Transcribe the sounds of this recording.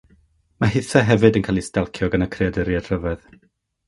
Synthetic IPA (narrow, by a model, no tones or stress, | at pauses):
maɦɪθɛɦɛvɨdənkʰaːlˠistɛlˠkʰjɔɡanakʰrɪadəɾjad̥r̥əvɛð